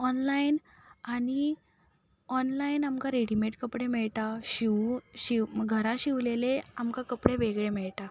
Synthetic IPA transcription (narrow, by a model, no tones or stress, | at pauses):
ɔnlain | aɽi | ɔnlainamkãɾeɽimeʈkəpɽemɛɭʈ̪aɕiʋɕiɡʱəɾãɕiʋleleamkakəpɽeʋeɡɭemɛɭʈ̪a